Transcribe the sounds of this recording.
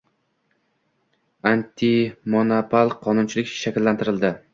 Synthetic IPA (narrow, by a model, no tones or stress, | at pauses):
ant̪ʰimonopʰalˠqʰɒnʊnt͡ʃʰɪlɪkʲʃakʲɪlːant̪ʰɪɾɪld̪ɪ